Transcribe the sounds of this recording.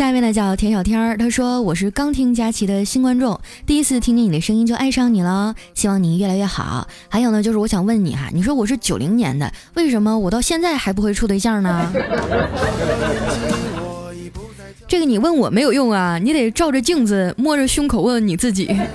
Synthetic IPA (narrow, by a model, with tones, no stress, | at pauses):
ɕja˥˧pnlə˧˩t͡ɕjɑ˨˩ʊt̪ʰjɛ˥nɕɑ˨˩ʊt̪ʰjɑ˥ə˥˧t̪ʰa˥ʂwɔ˥wɔ˨˩ʂ̬ɻ̩˥˩kɑ˥ŋt̪ʰi˥ŋt͡ɕja˥t͡ɕʰi˧˥d̪ə˧ɕi˥nkwa˥nʈ͡ʂʊ˥˩ŋt̪i˥˧i˥t͡sʰɹ̩˥˩t̪ʰi˥ŋt͡ɕi˥˩ni˨˩d̪ə˦ʂɤ˥ŋi˥nt͡ɕjo˧ʔa˥˧ɪʂɑ˥˩ŋni˨˩lə˦ɕi˥wɑ˥˩ŋni˨˩ɥɛ˥˩la˧˥ɪɥɛ˥˩xɑ̰˨˩˦ʊxa˧ɪjo˨˩ʊnə˦t͡ɕjʂɻwɔ˧˥ɕjɑ˨˩ŋwə˥˩nnḭ˨˩ɐ̰˦ni˨˩ʂ̬wɔ˥wɔ˨˩ʂɻ̩˥˩t͡ɕjo˨˩ʊli˧˥ŋnjɛ̰˧˥nd̪ə̰˧we˥˩ɪʂə˧˥nmə˧wɔ˨˩t̪ɑ˥˧ʊɕjɛ˥˧nt͡sa˥˩ɪxa˧˥ɪp̬u˧˥xwe˥˧ɪʈ͡ʂʰu˥˩d̪ə˧i˧ɕjɑ˥˩nə˩ | ʈ͡ʂɤ˥˩ɡə˩ni˨˩wə˥˩nwɔ˨˩me˧˥ɪjo˨˩ʊjʊ˥˩ŋɐ˩ni˧˥t̪e˨˩ɪʈ͡ʂɑ˥˧ʊʈ͡ʂə˨˩t͡ɕi˥˧ŋd͡zɹ̩˩mwɔ˥˩ʈ͡ʂə˨˩ɕʊ˥ŋkʰo˨˩ʊwə˥˩nni˨˩t͡sɹ̩˥˩t͡ɕi˨˩˦